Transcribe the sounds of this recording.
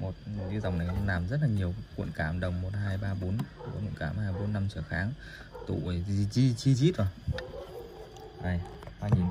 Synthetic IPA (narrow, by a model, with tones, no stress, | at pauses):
mo˨˩t̚zi˧za̰˨˩wŋ͡mna˨˩jlaː˨˩mzə˦˥t̚laː˨˩ɲi˨˩əwkwḭ˧˨ənkaː˧˩mɗə˨˩wŋ͡mmːo˨˩t̚haː˧jɓaː˧ɓo˨˦n˧˨˩kɔ˨˦kwṵ˧˨kaː˧˩˦mhaː˧jɓo˨˦nːa˧mt͡ɕəː˧˩xaː˨˦ŋ | t̪ṵ˧˨ə˨˩i˧t͡ɕi˧t͡ɕi˧t͡ɕi˦˥t̚zə˨˩ | ʔa˨˧˩j | haː˧˩ɲi˨˦